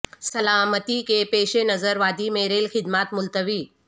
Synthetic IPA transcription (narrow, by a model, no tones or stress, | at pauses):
sɐlaːmət̪ikepeːʃenɐzəɾʋaːd̪imeɾeːlxɪd̪maːt̪mʊlt̪əʋiː